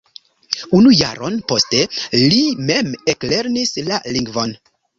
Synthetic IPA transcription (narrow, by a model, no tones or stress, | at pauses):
unuja̰ɾo̞npo̞ste̞lime̞mekle̞ɾnislaliŋɡvo̞n